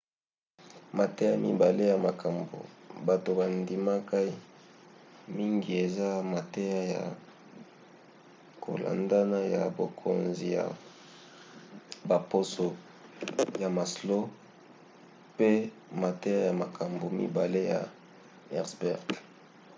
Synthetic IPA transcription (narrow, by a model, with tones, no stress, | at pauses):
ma˨te˦ja˦mḭ˦ba˨le˦ja˨ma˨kʰa˨mbo̰˨ba˨to˨ba˨ndi˨ma˦ka˦i˦ | mi˦ŋɡi˨e˨za˦ma˨te˦ja˦ja̰˨ | kʰo̰˨lʔa̰˨nda˦na˦ja˨bo˨kʰo̰˨nzi˨ja̰˨ | ba˨po˦so˨ | ja˨ma˨slo˦ | pe˦ | ma˨tɛ˦ja˦ja˨ma˨kʰa˨mbo˨mḭ˦ba˨le˦ja̰˨ | ɛ˦ʁsbɛ˦˨ʁt